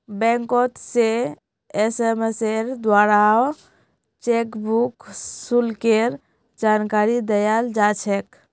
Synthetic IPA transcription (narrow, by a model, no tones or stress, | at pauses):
bɛ̃ŋkɔt̪se | esemeseɾd̪waɾao | t͡ʃekbuksulkeɾ | d͡ʒankaɾid̪əjald͡ʒat͡ʃʰek